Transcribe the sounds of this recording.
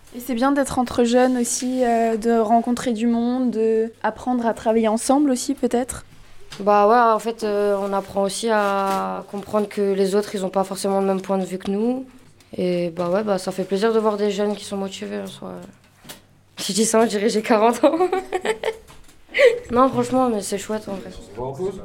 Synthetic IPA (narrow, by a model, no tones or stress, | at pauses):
esɛbjɛ̃d̪ɛt̪χɑ̃t̪χəʒœnosiød̪əʁɑ̃kɔ̃t̪χed̪ymɔ̃d̪ːəapχɑ̃d̪ʁat̪χavajeɑ̃sɑ̃blosipøt̪ɛt̪χ | bawɛɑ̃fɛt̪øɔ̃napχɑ̃osiakɔ̃pχɑ̃d̪ʁəkʰəlezot̪χilzɔ̃pafɔʁsemɑ̃ləmɛmpwɛ̃d̪əvykənu | ebawɛbasafɛpleziʁd̪əvwaʁd̪eʒœnkʲi̥sɔ̃mɔt̪iveɛ̃swa̰ø | siʒd̪isãd̪iʁɛʒekaʁɑ̃t̪ʰɑ̃ | nɔ̃fχɑ̃ʃmɑ̃mɛsɛʃwɛt̪ɑ̃vʁɛ